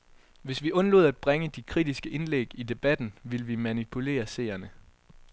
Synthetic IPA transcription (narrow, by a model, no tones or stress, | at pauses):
ʋe̝sʋiʔɔ̽nlo̝ːðˠæd̥̚b̥ʁaŋəd̥ikʰʁid̥isɡ̥əʔe̝nleɡ̥id̥e̝b̥æd̥n̩ʋiləʋimænipʰule̝̰ːɐse̝̰ɪɐnə